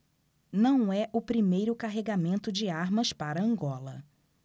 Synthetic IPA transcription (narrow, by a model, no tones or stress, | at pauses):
nɐ̃w̃ɛʔʊpɾimejɾʊkaɦeɡamẽnt̪ʊd͡ʒɪaɾmɐspaɾɐɐ̃ŋɡɔlɐ̰